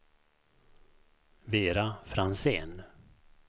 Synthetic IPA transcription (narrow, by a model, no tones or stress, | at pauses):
veːɾafɾanseːn